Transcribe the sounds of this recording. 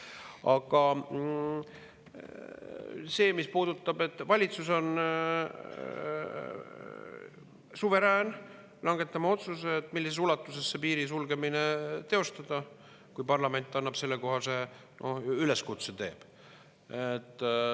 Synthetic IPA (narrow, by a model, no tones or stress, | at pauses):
ɑɡ̥ɑ | se̞ːmispuːd̪ut̪ːˑɑbe̞t̪ːˑvɑlʲit̪suso̞n | suve̞ɾæːn | lɑŋɡ̥e̞t̪ːˑɑmɑo̞t̪suseːt̪ːˑmilːisesulɑt̪ːˑuse̞sːepiːɾisulɡe̞mine̞t̪e̞o̞st̪ɑd̪̥ɑ | kujpɑrlɑme̞nʲt̪ːˑɑnːɑpse̞lːeko̞ɦɑse̞ | nʔo̞̰hyle̞skut̪set̪e̞̰ːb̥ | et̪ˑː